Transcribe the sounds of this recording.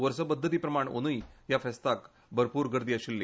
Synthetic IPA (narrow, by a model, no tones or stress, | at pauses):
ʋəɾsəpəd̪ʱːət̪̬iːpɾəmaɳo̰ñujjafɛst̪ak | bʱəɾpuːɾɡəɾd̪iaɕilːiː